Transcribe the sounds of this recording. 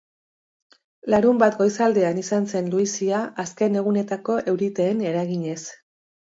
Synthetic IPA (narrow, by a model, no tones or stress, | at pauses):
laɾumbat̪ɡo̞jsald̪e̞anisanse̞nluisiaʔaske̞ne̞ɣ̞une̞t̪ako̞ʔe̞wɾit̪e̞ːne̞ɾaɣiɲe̞s